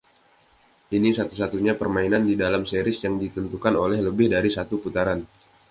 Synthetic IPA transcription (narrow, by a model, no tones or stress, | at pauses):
ʔinisat̪usat̪uɲapərmainandidalamseɾɪsjaŋdit̪ənt̪ukanolɛhləbɪhdaɾisat̪uput̪aɾan